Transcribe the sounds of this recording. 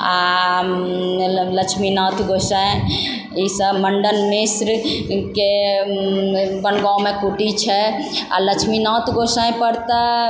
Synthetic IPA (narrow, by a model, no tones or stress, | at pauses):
a | lət͡ʃʰminɔt̪ʰɡosə̃ | isəbməɳɖənmisɾke | bənɡamekuʈit͡ʃʰɛa̰ləkt͡ʃʰminɔt̪ʰɡosə̃ẽpəɾt̪ə